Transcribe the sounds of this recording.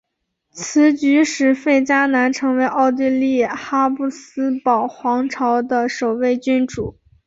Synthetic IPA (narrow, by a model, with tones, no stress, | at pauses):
t͡sʰɹ̩˧˥t͡ɕy˧˥ʂɻ̩˧˥fe˥˩ɪt͡ɕja˥na˧˥nʈ͡ʂʰɤ˧˥ŋwe˧˥ɪʔɑ˥˧ʊt̪i˥˧li˥˩xa˥pu˥˩sɹ̩˥pɑ˨˩ʊxwɑ˧˥ŋʈ͡ʂʰɑ˧˥ʊd̪ə˧ʂo˨˩ʊwe˥˧ɪt͡ɕy˥nʈ͡ʂu˨˩˦